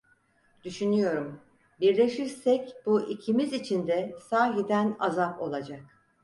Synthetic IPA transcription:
d̪̥yʃynyjo̞ɾum | biɾlʲe̞ʃiɾsɛcbuʔicʰimizit͡ʃʰind̪ɛsaːɦid̪ænazapo̞̰lˠad͡ʒak̚

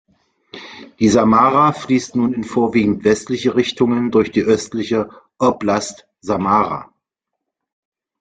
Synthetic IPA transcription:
d̥iːzamaːʁafliːstnuːnɪnfoːɐviːɡŋ̩tv̥ɛstlɪçəʁɪçtʊŋəndʊɐçd̥iːʔœstlɪçəʔɔplast | zamaːʁa̰

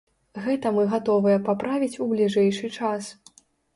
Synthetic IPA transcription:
ɣɛt̪ɐmɨɣat̪ɔvɨjɐpapɾavʲit͡sʲublʲiʐɛjʂɨt͡ʂas

